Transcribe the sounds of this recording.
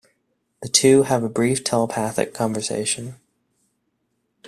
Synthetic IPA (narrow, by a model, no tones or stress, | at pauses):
ðɨtʰʉəvəbɹiftʰɛlˠəpʰæθɨ̰kʰɑ̃ɱvə˞sḛɪʃɨ̃n